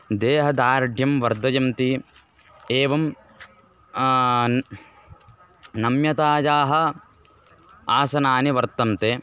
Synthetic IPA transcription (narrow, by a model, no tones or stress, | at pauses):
d̪eːɦɐd̪aːɾɖʱjɐmʋɐɾd̪ʱɐjɐmt̪i | eːʋɐm | nɐmjɐt̪aːd͡ʒaːɦɐ | aːsɐnaːniʋɐɾt̪ɐmt̪eː